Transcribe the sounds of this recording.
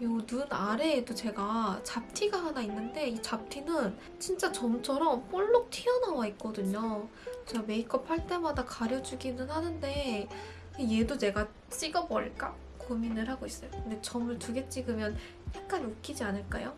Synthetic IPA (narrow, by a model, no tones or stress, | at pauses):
jonunaɾe̞ːdot͡ɕe̞ɡat͡ɕap̚tʰiɡaɦanainːɯnde̞it͡ɕap̚tʰinɯn | t͡ɕint͡ɕ͈at͡ɕʌmt͡ɕʰʌɾʌmp͈oɭːok̚tʰiʌnawaik͈ʌdɯɲo | t͡ɕeɡame̞ik͈ʌpʰaɭt͈e̞madakaɾjʌd͡ʑuɡinɯnhanɯnde̞ | je̞done̞ɡa | t͡ɕ͈iɡʌbʌ̰ɭk͈a | kominɯɭhaɡois͈ʌjokɯnde̞t͡ɕʌmɯɭtuɡe̞t͡ɕ͈iɡɯmjʌn | jak̚k͈anokk͈id͡ʑianɯɭk͈ajo